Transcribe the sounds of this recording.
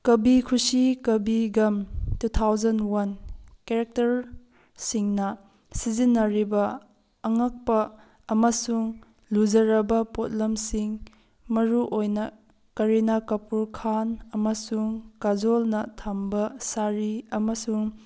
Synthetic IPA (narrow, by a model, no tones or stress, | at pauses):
kɐbikʰusikɐbiɡɐmtutʰawzɐnwɐnkeɾek̚tɐɾ | siŋnɐ | sizinːɐɾibɐ | ɐŋɐk̚pɐː | mɐsuŋ | lud͡ʒɐɾɐbɐpot̚lɐmsiŋ | mɐɾuʔojnɐ | kɐɾinakɐpuɾkʰanɐmɐsuŋkazolnɐtʰɐmbɐsaɾiɐmɐsuŋ